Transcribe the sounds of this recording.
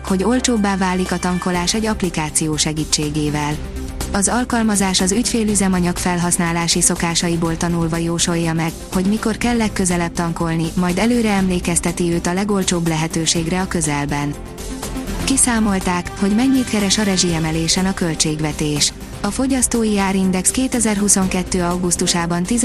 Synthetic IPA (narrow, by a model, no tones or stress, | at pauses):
ho̞ɟo̞lt͡ʃoːbːaːvaːlːikɒt̪ɒŋko̞laːʃɛɟːɒplikaːt̪sijoːʃɛɡiːt͡ʃːeːɡeːvɛl | ɒzɒlkɒlmɒzaːʃɒzycfeːlyzɛmɒɲɒkfɛlɦɒsnaːlaːʃiso̞kaːʃɒjiboːlt̪ɒnulvɒjoːʃo̞jːɒmɛɡ | ho̞ɟmiko̞rkɛlːɛkːø̞zɛlɛp̚t̪ɒŋko̞lnimɒjd̪ɛløːɾɛɛmleːkɛst̪ɛt̪iøːt̪ɒlɛɡo̞lt͡ʃoːblɛɦɛt̪øːʃeːɡrɛɒkø̞zɛlbɛn | kisaːmo̞lt̪aːkho̞ɟmɛɲːiːt̪kɛɾɛʃɒɾɛʒiɛmɛleːʃɛnɒkølt͡ʃeːɡʋɛt̪eːʃ | ɒfo̞ɟɒst̪oːjiaːɾind̪ɛkskeːt̪ɛzɛrɦuso̞ŋkɛt̪ːøːɒwɡust̪uʃaːbɒnt̪iz